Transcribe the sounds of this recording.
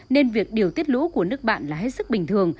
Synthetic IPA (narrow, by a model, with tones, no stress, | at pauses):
ne˧nvi˨˩ək̚ɗi˨˩əwt̪i˦˥ət̚lṵ˧˥ku˧˩ənɨ˦˥ək̚ɓa̰ː˧˨nlaː˨˩ɦe˦˥t̚sɨ˦˥k̚ɓï˨˩ŋ̟t̪ʰɨ˨˩əŋ